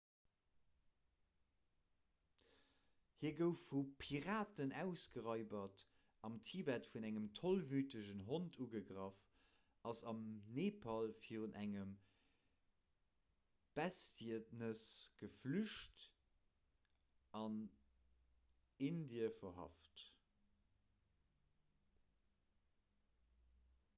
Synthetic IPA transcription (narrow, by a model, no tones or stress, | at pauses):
hiːɐɡəʊfupʰiʁaːtənæʊsɡəʁɑɪbɐt | ʔɑmtʰibætfunæŋəmtʰolvyːtəʒənɦontʰuɡəɡʁɑf | ʔɑsɑmneːpʰɑlfiːʁunʔæŋəm | b̥æstiətnəsɡ̥əflyʃt | ʔɑn | indiəfɐɦɑ̰ft